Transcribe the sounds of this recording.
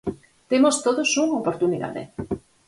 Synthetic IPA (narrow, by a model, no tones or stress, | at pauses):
t̪emost̪oðosuŋopoɾt̪uniða̰ðḛ